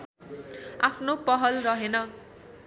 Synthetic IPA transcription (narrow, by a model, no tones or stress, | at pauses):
apʰnopʌɦʌlrʌɦenʌ